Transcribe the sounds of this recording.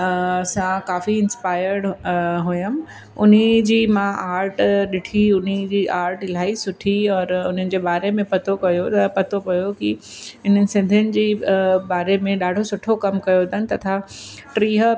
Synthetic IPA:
sãkaːfiɪnspaːɪəɾɽɦʊjəm | ʊn̤id͡ʑiːmãʔaːɾʈɗɪʈʰiʊn̤id͡ʑiːʔaːɾʈɪl̤aːisʊʈʰiɔːɾʊn̤ənɪ̆d͡ʑeːɓaːɾemẽpɐt̪ʰokɐjot̪ɐpɐt̪ʰopɐjoki | ɪn̤əɪ̆sɪ̃nd̪ʱənɪ̆d͡ʑiːbaːɾemẽɗaːɖʱosʊʈʰokɐmkɐjod̪ɐnɪ̆t̪ɐt̪ʰa | ʈɾiːɦ

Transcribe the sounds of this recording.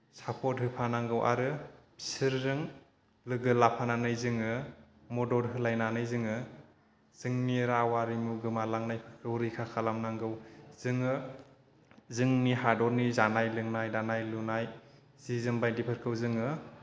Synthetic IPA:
sapʰɔt̚ɦɯpʰanaŋɡɯwʔa̰ɾɯ | pʰi̥siɾzɯŋ | lɯɡɯlapʰananɯjzɯŋɯmɔdɔɾɦɯlajnanɯjzɯŋɯ | z̥ɯŋniɾawaɾimuɡɯmalaŋnajpʰɯɾkʰɯwɾikʰakʰalamnaŋɡɯwz̥ɯŋɯ | zɯŋniɦadɔɾnizanajlɯŋnajdanajlunaj | z̥izɯmbajdipʰɯɾkʰɯwzɯŋɯ

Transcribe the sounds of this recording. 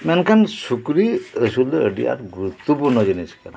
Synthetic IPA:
mɛnkʰansukɾiəsuld̪eəɖḭa̰ɾɡɾut̪ːubunɔd͡ʒəniskana

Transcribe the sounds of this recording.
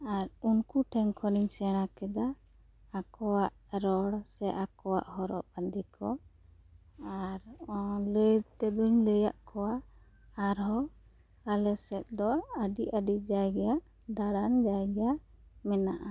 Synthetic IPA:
aɾunkuʈʰɛŋkʰɔniɲsɛɽ̃akɛd̪aː | kɔwaʔ | ɾɔɽsɛʔakɔwa̰ʔhɔɾɔ̰ʔband̪ikʰɔ | aɾləjd̪t̪ɛd̪uɲləjaʔkɔwaː | ɾɔ | alɛsɛt̪̚d̪ɔəɖiʔəɖid͡ʒaɡɛjaʔ | d̪aɽand͡ʒajɡɛja | mɛnaʔa

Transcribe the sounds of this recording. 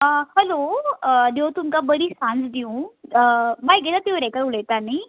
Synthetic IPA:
əhɛlod̪ewt̪umkabəɾiːsãnsd̪iũ | bajɡʱet̪at̪iʋɾɛkaɾuɭet̪ani

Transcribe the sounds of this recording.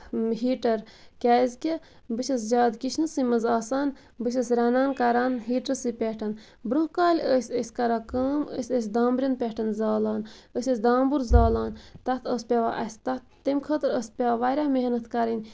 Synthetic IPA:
ɦiːʈɐɾkʲaːzʲkʲe | bɨʃʲɐs̬d͡ʒaːd̪kiʃʰnɨsɨmɐzaːsaːn | bɨʃ̬ʲɐsʲɾɐnaːnkɐɾaːnɦiːʈɐɾsɨpʲeʈʰɐn | bɾũhkaːlʲəsʲəsʲkɐɾaːkaːmə̰ːsʲəs̬ʲd̪aːmbɾʲinpʲeʈʰɐnzaːlaːnəːsʲɐsʲd̪aːmbuɾzaːlaːnt̪ɐt̪ʰəːspʲeʋaʔɐsʲt̪ɐt̪ːemʲkʰəːt̪ɨɾəːsʲpʲaaʋaɾʲaːmeɦnɐt̪ʰkɐɾɐnʲ

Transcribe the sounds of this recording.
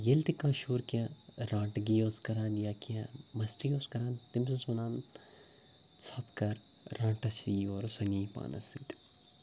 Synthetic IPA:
jelt̪ikãːʃuːɾkijaɾãːʈɡijoːskɐɾãːnjaːkiãmɐsʈijoːskɐɾãːnt̪imsɐsʋɐnãːn | t͡sʰɐpkɐɾː | ãːʈɐsiːoːɾsɐniːpa̰ːnɐ̰sit̪

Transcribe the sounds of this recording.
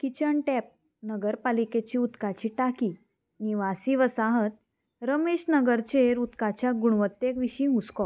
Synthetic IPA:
kit͡ɕəɳʈɛp̚ | nəɡəɾpaliket͡ɕiːut̪kat͡ɕiːʈakiː | niʋasiʋəsaɦət̪̚ | ɾəmeɕnəɡəɾt͡ɕeɾut̪kat͡ɕjaɡuɽʋət̪ːekʋiɕĩɦuskɔ

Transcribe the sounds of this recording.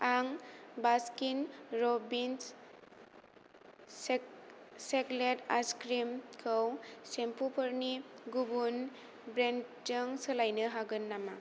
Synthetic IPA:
aŋbaskinɾɔbins | sekletaskɾimkʰɯwsempʰupʰɯɾniɡubun | bɾend͡ʒɯŋsɯlajnɯɦaɡɯnːama

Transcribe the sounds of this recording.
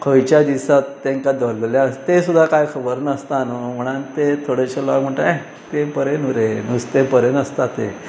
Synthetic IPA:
kʰəwt͡ɕad̪isat̪ːẽŋkad̪ʱəleljat̪esud̪ʱːakajkʰəbəɾnəst̪anəm̤əɽ̃ant̪et̪ʰoɽeɕelaɡm̤əɳʈ̪a | t̪epəɾenuɾenust̪epəɾenəst̪at̪e

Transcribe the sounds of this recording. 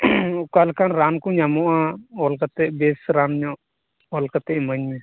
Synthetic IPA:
kalkanɾankuɲamɔʔãɔlkat̪ɛʔbɛsɾanɲɔʔ | ɔlkat̪ɛʔməɲmɛ̃

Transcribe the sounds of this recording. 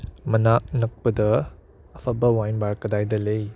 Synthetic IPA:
mɐnak̚nɐk̚pɐdɐ | ɐpʰɐbɐwajnbaɾkɐdajdɐlej

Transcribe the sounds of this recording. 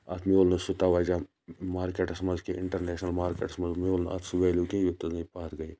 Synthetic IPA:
ɐt̪ʰmioːlnɐsʊt̪aʋaːd͡ʒa | maːɾkeʈsmɐzkeʔɪɳʈɐɾneːʃnɐlmaːɾkḛːʈsmɐzmoːlnɐ̰t̪suʋeːlukẽʋɪt̪ːɐznɐpaːt̪ɡɐi

